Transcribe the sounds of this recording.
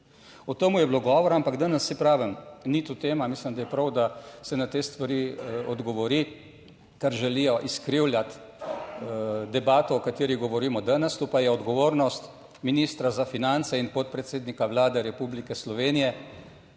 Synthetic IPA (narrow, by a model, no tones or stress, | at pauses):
ɔt̪əmujɛbloɡɔʋɔɾampaɡd̪anəsːipɾaːʋəmnit̪ut̪eːmamislimd̪ajɛpɾɐwd̪asɛnat̪eːst̪ʋaɾiɔd̪ɡɔʋɔɾi | k̪ɛɾʒɛlijɔʔiskɾiwljat̪ | d̪ɛbaːt̪ɔɔkat̪iːɾiɣɡɔʋɔɾiːmɔd̪anəst̪opajɛɔd̪ɡɔʋoːɾnɔst̪ | miniːst̪ɾazafinant̪sɛinpot̪̚pɾɛt̪seːd̪nikaʋlaːd̪ɛɾɛpublikɛslɔʋeːnijɛ